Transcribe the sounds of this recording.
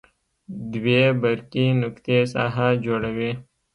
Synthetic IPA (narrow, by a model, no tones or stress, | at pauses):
d̪weːbəɾkinʊkt̪esa̰ɦad͡ʒoɽəweː